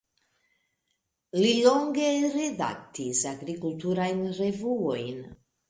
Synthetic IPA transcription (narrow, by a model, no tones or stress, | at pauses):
liloŋɡeɾed̪a̰k̚t̪isaɡɾikult̪uɾajnrevuojn